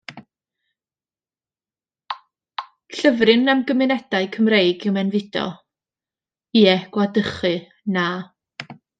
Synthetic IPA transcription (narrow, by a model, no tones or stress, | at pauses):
ɬəvrɨnːamɡəmɪnɛd̥aɨkʰəmrejɡɪwmɛnvɪdɔ̰ | iːɛɡ̥wadəχɨ | naː